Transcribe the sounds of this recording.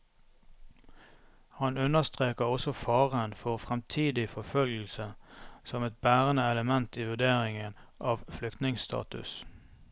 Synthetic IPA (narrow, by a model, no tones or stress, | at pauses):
hɑnʉnəst̪ʁeːkəʁɔsɔfɑːʁənfɔʁfʁɛmt̪ʰiːd̪ɪfɔfœlɡəl̩səsɔmɛt̪̚bæːʁənəɛləmɛnt̪iːʋʉd̪eːʁɪŋənʔɑːʋflʏkt̪nɪŋsst̪ʰɑ̰ːt̪ʉ̰s